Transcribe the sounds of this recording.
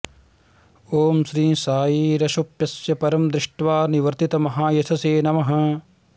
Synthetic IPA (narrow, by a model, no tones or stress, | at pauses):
oːmʃɾĩːsaːjiɾɐʃupjɐsjɐpɐɾɐmd̪ɾɪʂʈʋaːniʋɐɾt̪it̪ɐmɐɦaːjɐt̪ʰɐseːnɐmɐɦɐ̆